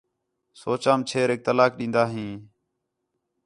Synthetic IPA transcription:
soːt͡ʃãːmt͡ʃʰeːɾɪk̚t̪əlaːkɗĩːnd̪aːɦĩː

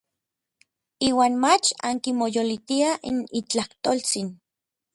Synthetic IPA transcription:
iːwaːnmat͡ʃa̰ŋkimojolit̪iaʔḭnit͡ɬaht̪olt͡sin

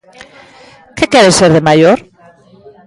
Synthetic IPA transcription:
kekeɾeseɾðemaʝoɾ

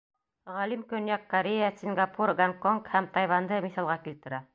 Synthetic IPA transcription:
ʁɑlimkɵ̆njækːɐɾʲejasʲiŋɡapuɾɡaŋkoŋkhæmt̪ɑjβɑnd̪ɤmiθɑlˠʁɑkilt̪ɘ̆ɾæ

